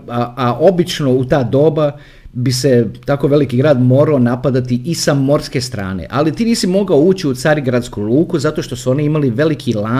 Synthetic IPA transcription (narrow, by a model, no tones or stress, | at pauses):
aaʔo̞bit͡ʃno̞ut̪aːd̪o̞ːba | bise̞t̪ako̞ʋe̞likiɡɾaːd̪mo̞ːɾaonapad̪at̪iʔisamo̞ɾske̞st̪ɾa̰ːnḛʔa̰lit̪iːniːsimo̞ɡaouːt͡ɕiut̪saɾiɡɾad̪skulˠuːkuzat̪o̞ʃt̪o̞suo̞niimaliʋe̞likʰilaː